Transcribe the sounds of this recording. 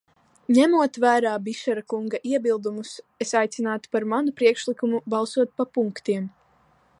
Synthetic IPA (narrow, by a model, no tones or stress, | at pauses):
ɲæmuɔt̪væːɾaːbiʃɛɾakuŋɡaʔiɛbilˠd̪umus | esajt̪sinaːt̪u̥paɾmanupɾiɛkʃlˠikumubɑlˠsuɔt̪̚papuŋkt̪iɛm